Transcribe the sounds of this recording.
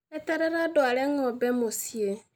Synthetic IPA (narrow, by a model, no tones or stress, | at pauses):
eteɾeɾadwaleŋɔbɛmosie